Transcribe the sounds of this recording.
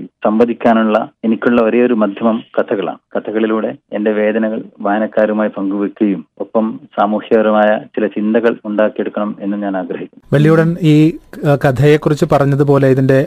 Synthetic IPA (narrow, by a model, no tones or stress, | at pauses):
sɐmbɐd̪ʱikʲːaːnuɭːɐe̞nikʲːuɭːɐɐɾijɐoɾumɐd̪ʱjɐmɐmkɐt̪ʰɐɣɐɭa̰ːmkɐt̪ʰɐɣɐɭiluːɽe̞ende̞ʋe̞ːd̪ɐnɐɣɐɭʋaːɐnɐkːaːɾumaːjipɐŋɡuʋikʲːuɣɐjumopːɐmsaːmuːhjɐʋɐɾɐmaːjɐt͡ɕilɐt͡ɕind̪ɐɣɐɭuɳɖaːkːije̞ɽukːɐɳɐme̞nːumɲaːnaːɡɾɐɦikʲːunːʋɐɭijuɽɐniːkɐt̪ʰɐjekːurit͡ɕːɨpɐrɐɲːɐðup̬o̞ːle̞iðinde̞